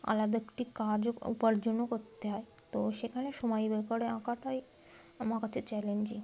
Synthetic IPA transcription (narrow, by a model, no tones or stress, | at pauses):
a̰lad̪əkʈikaɾd͡zupəɾd͡ʑunukot̪ːeɦaj | t̪ɔɕekʰaɽ̃eʃɔmajibekəɽeãkaʈʰɔj | amakat͡set͡ɕɛleɲd͡ʑi